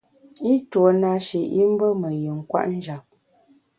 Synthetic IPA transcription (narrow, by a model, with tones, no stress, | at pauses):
i˦two˨na˦ʃe˨ʔi˦m̩˦bə˦mə˨jə˨ŋ̩˨kwa̰˦ʔn̩˦d͡ʒa˨p̚